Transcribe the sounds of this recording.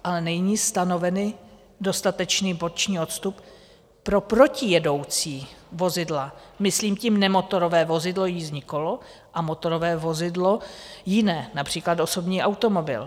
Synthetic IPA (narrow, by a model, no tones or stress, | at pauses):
ʔalɛnɛjɲiːst̪ano̞vɛnɪ | do̞st̪at̪ɛt͡ʃniːbo̞t͡ʃɲiːo̞t̪st̪up | pːɾo̞pɾo̞cɪjɛdo̞wt͡siːvo̞zɪdlamɪsliːmcimnɛmo̞t̪o̞ɾo̞vɛːvo̞zɪdlo̞jizɲɪkolo̞ | ʔamo̞t̪o̞ɾovɛːvo̞zɪdlo̞jɪnɛːnapr̝̥iːklat̪ʔo̞so̞bɲiːʔawt̪omo̞bɪ̰l